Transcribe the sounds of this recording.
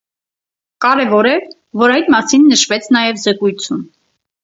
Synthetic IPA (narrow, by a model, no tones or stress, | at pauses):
kɑɾɛvɔɾɛ | vɔɾɑjt̪mɑsinːəʃvɛt͡sʰnɑjɛvzɛkujt͡sʰjun